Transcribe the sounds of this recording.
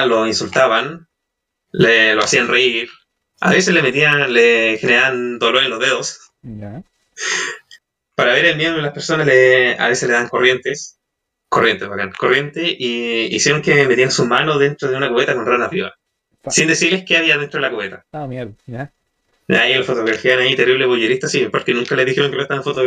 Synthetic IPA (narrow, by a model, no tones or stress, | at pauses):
loinsult̪aβan | leloasianreiɾ | a̰βe̞sezlemet̪ialexeneaβand̪oloɾeloðeðos | paɾaβeɾelmjeðmolaspeɾso̞nazlea̰βeseleðaŋko̞rje̞nt̪es | korjent̪ezβaka̰nko̞rje̞nt̪eʔiisjeɾoŋkemet̪iansumanoðe̞nt̪ɾoðeunakuβet̪ako̞nranaβiβa̰ | sind̪e̞siɾlehkeaβiaðent̪ɾoelakuβet̪a | a | a̰ienlafo̞t̪o̞ɣɾafjaanait̪eriβleβojeɾiht̪asipoɾkenũŋkaleðixeɾoŋkelost̪aenfot̪o